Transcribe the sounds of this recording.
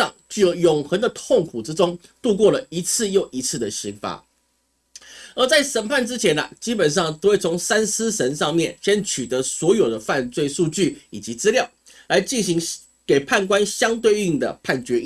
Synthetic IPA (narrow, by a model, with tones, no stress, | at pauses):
ɑ˥˨ŋt͡ɕjo˨˩ʊjʊ˨˩ŋxə˧˥ŋd̪ə˧t̪ʰo˥˩ŋkʰu˨˩ʈ͡ʂɻ̩˥ʈ͡ʂʊ˥ŋ | t̪u˥˧kwɔ˥˩lə˩i˧˥t͡sʰɹ̩˥˧jo˥˩ʊʔi˧˥t͡sʰɹ̩˥˩d̪ə˩ɕi˧˥ŋfa̰˧˥ | ə˞˧˥t͡sa˥˩ɪʂə˨˩npʰa˥˩nʈ͡ʂɻ̩˥t͡ɕʰjɛ˧˥nɐ̰˧t͡ɕi˥pə˨˩nʂ̬ɑ˥˩ŋt̪o˥we˥˩ɪt͡sʰʊ˧˥ŋsa˥nsɹ̩˥ʂə˧˥nʂɑ˥˧ŋmjɛ˥˩nɕjɛ˥nt͡ɕʰy˨˩t̪ɤ˧˥swɔ˧˥jo˨˩ʊd̪ə˦fa˥˧nt͡swe˥˧ɪʂu˥˧t͡ɕy˥˩i˨˩t͡ɕi˧˥t͡sɹ̩˥ljɑ˥˩ʊ | la˧˥ɪt͡ɕi˥˩nɕi˧˥ŋ | ke˨˩ɪpʰa˥˩nk̬wa˥nɕjɑ˥ŋt̪̬we˥˧ɪy˥˩ŋd̪ə̰˩pʰa˥˩nt͡ɕɥɛ˧˥i˥